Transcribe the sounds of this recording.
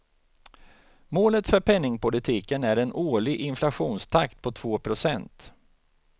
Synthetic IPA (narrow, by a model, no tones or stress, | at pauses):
moːlət̪fœɾpʰɛnːɪŋpʊlɪt̪ʰiːkənæɾɛnoːɭɪɡʔɪnflaɧuːnst̪ʰakt̪̚pʰɔt̪ʰv̥oːpʰɾʊsɛnt̪